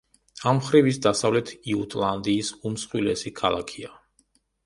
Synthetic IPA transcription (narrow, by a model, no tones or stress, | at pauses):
amχɾivisd̪asavlɛt̪ʰiut̪ʼlˠand̪iːsumsχwilɛsikʰalˠakʰia